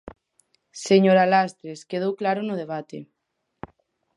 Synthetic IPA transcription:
seɲoɾalast̪ɾeskeð̞owklaɾʊnʊð̞eβ̞at̪e

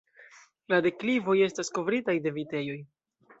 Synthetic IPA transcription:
lade̞klivo̞je̞stasko̞vɾitajde̞vite̞jo̞j

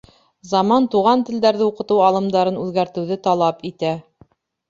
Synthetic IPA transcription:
zɑmɑnt̪uʁɑnt̪ɘ̆ld̪æɾðɘuqɤ̆t̪ɤwɑlˠɤ̆md̪ɑɾɤnʉðɡæɾt̪ɘ̆wðɘt̪ɑlˠɑpit̪æ

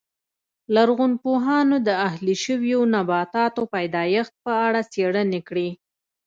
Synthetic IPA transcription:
laɾɣunpoɦɑnod̪əahliʃəwjonabɑt̪ɑt̪opajd̪ɑjəxt̪̚pəaɽat͡seɽənekɽi

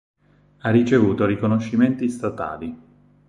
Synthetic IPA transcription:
arːit͡ʃevuːt̪oɾikonoʃːiment̪ist̪at̪a̰ːli

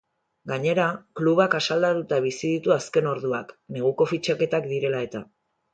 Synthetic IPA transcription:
ɡaɲe̞ɾakluβakasald̪at̪ut̪aβ̞isiðit̪uaske̞no̞ɾðuakne̞ɣ̞uko̞fit͡ʃake̞t̪akd̪iɾe̞lae̞t̪a

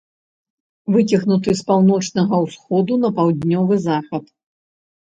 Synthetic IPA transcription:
vɨt͡sʲɐɣnut̪ɨspawnɔt͡ʂnɐɣɐwsxɔd̪unɐpawd̪ʲnʲɔvɨzaxɐt̪

